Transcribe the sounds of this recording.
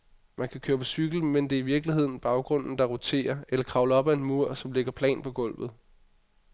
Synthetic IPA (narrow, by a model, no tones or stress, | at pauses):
mænkʰækʰøːɐpʰɒ̽syɡ̥l̩mend̥e̝ːiʋiɐɡ̥lihe̝ð̞̰ˠn̩b̥ɑ̈ʊɡ̥ʁɔ̽n̰n̩d̥ɑ̈ʁot͡sʰe̝̰ːɐelɐkʰʁɑ̈ʊləɒ̽b̥æe̝nmuɐ̰sɒ̽mle̝ɡ̥ɐpʰlɛ̰ːnpʰɒ̽ɡ̥ɔ̽l̰ʋð̩ˠ